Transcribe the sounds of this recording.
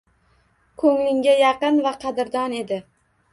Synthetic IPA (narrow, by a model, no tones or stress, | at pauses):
kʰɵŋlɪŋʲajɑqɨnvaqʰɑd̪ɪɾd̪ɒne̞d̪ɪ